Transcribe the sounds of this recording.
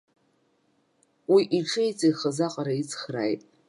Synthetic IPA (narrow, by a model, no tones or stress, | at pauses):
wiʔiʈ͡ʂʰɨjt͡sʰʼajχəzaqʼaɾait͡sʰʼχra̰jtʼ